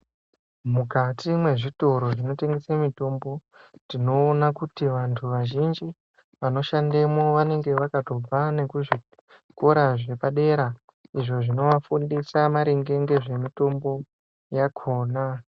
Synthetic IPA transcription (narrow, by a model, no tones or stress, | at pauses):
mukatimwe̞ʐito̞ɾo̞ʐino̞te̞ŋɡesemito̞mbo̞ | dino̞ːnakutiʋantʰuʋaʒind͡ʒi | ʋano̞ʃandemo̞ʋane̞ŋɡe̞ʋakato̞b͡vane̞kuʐi | ko̞ɾaʐe̞paɗe̞ːɾa | iʐo̞ʐino̞ʋafundisamaɾeŋɡe̞ŋɡe̞ʐe̞mito̞mbo̞ | jakʰo̞ːna